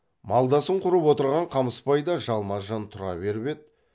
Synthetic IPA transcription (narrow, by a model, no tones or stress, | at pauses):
mɑlˠd̪ɑsəɴqʰʊɾəpwo̞t̪əɾʁɑɴqʰɑməspɑjd̪ɑʒɑlˠmɑʒɑnt̪ʰʊɾɑ̰βe̞ɾbe̞t̪̚